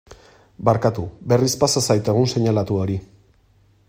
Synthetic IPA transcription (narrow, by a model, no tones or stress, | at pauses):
baɾkat̪ube̞rispasasajt̪e̞ɣ̞unse̞ɲalat̪uo̞ɾi